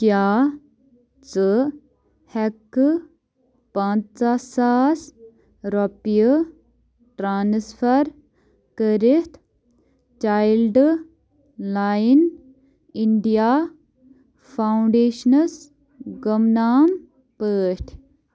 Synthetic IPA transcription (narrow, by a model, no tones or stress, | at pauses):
kjaː | t͡sɨ | hɛkːɨ | pãːt͡st͡sasaːs | ɾɔpijə | ʈɾaːnsfʰɐɾ | kəɾit̪ʰ | t͡ʃaːjlɖ | laːjin | iɳɖijaː | pʰawɳɖeːʃnɐs | ɡəmnaːm | pəːʃʈʰ